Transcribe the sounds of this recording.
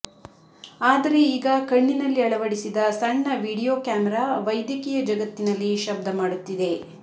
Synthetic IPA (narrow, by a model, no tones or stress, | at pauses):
aːd̪ɐɾe̞iːɡɐkɐɳːinɐlːiɐɭɐʋɐɽisid̪ɐsɐɳːɐʋiːɽijoːkjaːmɛɾaːʋɐjd̪jɐkiːjɐd͡ʒɐɡɐt̪ːinɐlːiʃɐb̚d̪ɐmaːɽut̪ːid̪e̞